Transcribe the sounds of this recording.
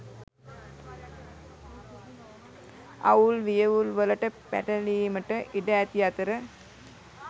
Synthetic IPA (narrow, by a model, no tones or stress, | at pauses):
ɐ̰ulʋijɐʋulʋəlɐʈəpæ̰ʈɐliːməʈəʔiɖæːt̪ijat̪əɾə